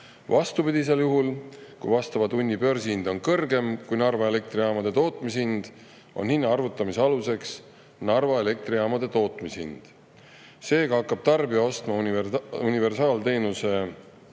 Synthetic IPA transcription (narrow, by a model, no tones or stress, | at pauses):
vɑst̪upid̪̥is̬e̞ljuɦulkujvɑst̪ɑvɑd̪unʲːipø̞rsiind̪̥o̞nkɤrɡe̞mkujnɑrvɑele̞k̚t̪riɑːmɑd̪̥e̞t̪o̞ːt̪ˑmishind̪̥ | o̞̰nhinːɑɑrvut̪ːˑɑmiseɑluse̞ks | nɑrvɑele̞k̚t̪riɑmɑd̪̥e̞t̪o̞ːt̪ːˑmishḭnd̪̥ | se̞ːɡɑhɑkːˑɑb̥̚t̪ɑrbijɑo̞st̪mɑununive̞rsɑːlt̪e̞ːnuse̞